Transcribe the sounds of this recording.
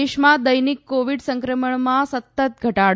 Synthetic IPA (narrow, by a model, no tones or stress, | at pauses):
eɕmad̪əjnikːoʋiɽsəŋkɾəməɳmasət̪ːət̪̚ɡʱəʈaɽ